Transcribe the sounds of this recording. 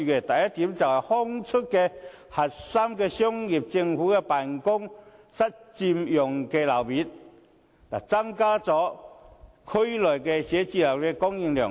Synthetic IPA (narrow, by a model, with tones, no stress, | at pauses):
kɛ˧˩t̪a˨˩ja˦˥t̪i˨˦mt͡sa˨wha˨˩hɔ˦˥ŋt͡sʰʊ˦˥t̚ke˧ | ha˨˩t̚sa˦mkɛ˧ɕjɔ˥ŋji˨˩p̚t͡ɕi˧ŋfu˨˦kɛ˧pa˨˩nkʊ˥ŋsa˦˥t̚t͡ɕi˧mjʊ˨˩ŋkɛ˧la˨˩wbi˨˦t̚ | t̪a˨˩t͡sa˦˥ŋkaː˦˥t͡sɔ˨˧˦ | kʰu˦˥jlɔ˨˩jkɛ˧ɕjɛ˨˦t͡ɕi˧la˨˩wkɛ˧kɔ˦˥ŋji˧ŋljɔ̰˨˩ŋ